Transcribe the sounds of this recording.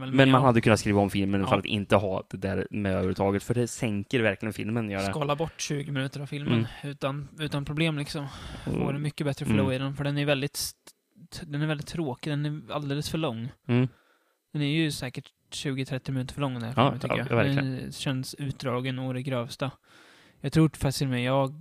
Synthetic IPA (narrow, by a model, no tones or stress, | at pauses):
ɛlmɛnmanhad̪ːəkʰɵnːatskɾiːvaɔmfɪlmənfalat̪ɪ̰nt̪əɦɑd̪̥ɛd̪æːɾmɛøːvəɾət̪ʰɑːɡət̪fœɖɛsɛŋkəɾvæɾklɪɡənfɪ̰lmənjœːɾskɑːlabɔʈːɕʉ̟ːɡɪmɪnʉ̟ːt̪əɾavfɪlmənʉ̟ːt̪anʉ̟ːt̪anpʰɾʊbleːmlɪksɔmo̰ɖɛnmʏkːəbɛt̪ːɾəɔfœɭuːɪd̪ɛnfœɖɛnæjɵvɛld̪ɪt̪ | d̪ɛnæɾvɛld̪ɪt̪ʰːɾoːkɪd̪ɛnæɾa̰ld̪eːləsfœɭɔŋː | d̪̥ɛnæɾjɵsɛːkəʈ | ɕʉ̟ːɡət̪ʰɾɛt̪ːɪmɪnʉ̟ːt̪əɾfœɭɔŋːd̪ɛɾt̪ʰʏkːəjaɾɛɕɛnsʉ̟ːt̪̚d̪ɾɑːɡənɔd̪ɛɡɾøːvst̪a | jɑːɡt̪ʰɾuːfak̪̚ɪsmɛjɑːɡ